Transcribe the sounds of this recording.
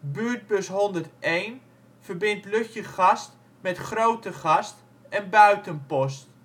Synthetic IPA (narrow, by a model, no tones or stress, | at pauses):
byət̚bøsɦɔndərtejn | fərbɪntløxjəχast | mɛtχrowtəχast | ɛnbœɥtənpɔst